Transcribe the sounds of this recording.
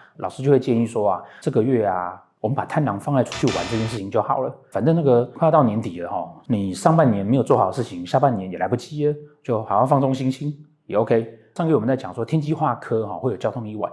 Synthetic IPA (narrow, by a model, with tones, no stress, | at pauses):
lɑ˨ʊʂɻ̩˥t͡ɕo˥˧ʊwe˥˧t͡ɕjɛ˥˧ni˥˩ʂwɔ˥a˨ʈ͡ʂɤ˥˩ɡə˨ɥɛ˥˩a̰˩ | wɔ˨˩mə˦npa˨˩t̪ʰa˥˩nɑ˧˥ŋfɑ˥˧ŋa˥˧ɪʈ͡ʂʰu̥˥t͡ɕʰy˥˩wa˧˦nʈ͡ʂɤ˥˧t͡ɕjɛ˥˧nʂɻ̩˥˩t͡ɕʰi˨˦ŋt͡ɕjo˥˩ʊxɑ̰˨˩ʊlə̰˦fa˨˩nt̪ə˥˧na˥˩ɡə˨˥˧t̪ɑ˥˩njɛ˧˥nt̪i˨˩˦lə˦xɔ˥˩ni˨˩ʂɑ˥˧ŋpa˥˩njɛ˧˥nme˧˥ɪjt͡swɔ˥˩xɑ˨ʊdə˦ʂ̩˥˩t͡ɕʰi˧˦ŋɕja˥˧pa˥˩njɛ˧˦njɛ˨˩la˧˥ɪpu˧˩t͡ɕi˥ə˧˦t͡ɕjo˥˩ʊxɕɑ˥˧ŋfɑ˥˩ŋt͡sʊ˥ŋɕi˥ŋt͡ɕʰi˥ŋ | jɛ˨˩o˥ʊkʰe˥ɪʂŋke˧˥wɔ˨˩ə˦t͡sa˥˩t͡ɕjŋʂwɔ˥t̪ʰjɛ˥nt͡ɕi˥xwa˥˩kʰɤ˥xɔ˥˧xwe˥˩jo˨˩t͡ɕjɑ˥ʊt̪ʰʊ˥˧ŋi˥˩wa̰˧˩˦n